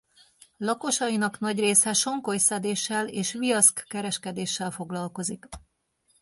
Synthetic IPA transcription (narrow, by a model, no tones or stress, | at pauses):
lɒko̞ʃɒjinɒknɒɟreːsɛʃo̞ŋko̞jsɛd̪eːʃːɛleːʃʋijɒskːɛɾɛʃkɛd̪eːʃːɛlfo̞ɡlɒlko̞zik